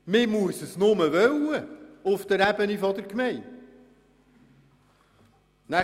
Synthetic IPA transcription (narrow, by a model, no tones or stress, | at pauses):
mɪmuəsəsnʊməʋœwəʊfd̥̪əɾæbənifɑd̪əɾkmɛɪ | næ